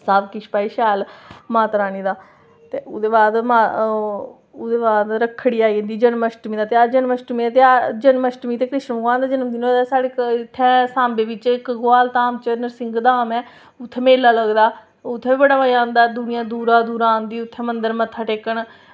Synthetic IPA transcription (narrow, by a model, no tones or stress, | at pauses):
saːbkɪʃpaːiːʃaːlmãːt̪ɾaːniːd̪aː | t̪eːʊd̪eːbaːd̪maː | ʊd̪eːbaːd̪ɾəkʰːɽiːaːiːə̃nd̪iːd͡ʒənməʃʈmiːd̪aːt̪eːaːd͡ʒənməʃʈmĩːaːt̪ead͡ʒənməʃʈmiːt̪eːkɾɪʃnbəɡãːnd̪aːd͡ʒɪnəmd̪inõsaːɽeːɪt̪ʰːɛ̃ːsãːmbeːʋɪt͡ʃɪkɡʊaːlt̪aːmt͡ʃənəɾsɪŋɡd̪aːmɛː | ʊt̪ʰːɛːmeːlːaːləɡd̪aː | ʊt̪ʰːɛːbiːbəɽaːmaiãːnd̪aːd̪ʊnɪjãːd̪uːɾaːd̪uːɾãːnd̪iːʊt̪ʰːɛ̃ːmənd̪əɾmət̪ʰːaːʈeːkəɳ